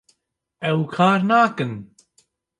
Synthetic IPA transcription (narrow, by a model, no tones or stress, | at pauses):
ɛwkʰaːɾnaɡən